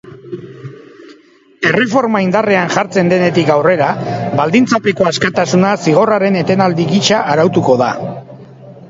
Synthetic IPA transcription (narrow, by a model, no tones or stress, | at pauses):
e̞re̞fo̞ɾmaind̪areanʝaɾt͡se̞nd̪e̞ne̞t̪ikawre̞ɾaβbald̪int͡sape̞ko̞askat̪asunasiɣ̞o̞raɾe̞ne̞t̪e̞nald̪iɣit͡ʃaʔːɾawt̪uko̞ða̰